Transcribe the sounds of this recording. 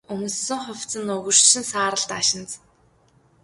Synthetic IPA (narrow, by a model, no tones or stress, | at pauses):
ɵmɵ̆sːɵ̆ŋχʊwt͡sə̆nɵɣɵ̆r̥ʃɪ̆nsaːɾə̆ɮt̪aʃɪ̆nt͡s